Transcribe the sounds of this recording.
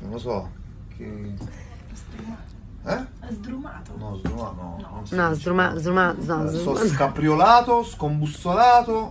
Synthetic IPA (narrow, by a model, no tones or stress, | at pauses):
nonlːosɔ | kʰe | d̪ɾa | ɛzd̪ɾumaːt̪nɔzd̪ɾumanɔ̰nɔzd̪ɾumazd̪ɾumat̪nɔzɔskapɾjolaːt̪oskombusːolaːt̪o